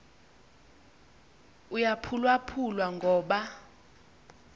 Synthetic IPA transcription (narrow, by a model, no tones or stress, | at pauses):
ujapʰulwapʰulwaŋɡʱɔːɓa